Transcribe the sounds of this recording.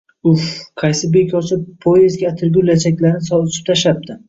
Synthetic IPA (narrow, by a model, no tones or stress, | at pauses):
ʊhqʰɑjsɪbe̞kʲʰɒt͡ʃʰɪpʰːoezɡʲaat̪ʰɪɾɡʲʊlat͡ʃʰakʲlaɾnɪsɒʊt͡ʃʰɪ̥p̚t̪ʰaʃap̚t̪ʰɪ